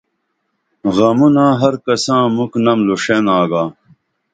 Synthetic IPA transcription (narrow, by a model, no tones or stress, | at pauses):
ɣɐmunãːɦɐɾkɐsãːmuknɐmluʂenaːɡaː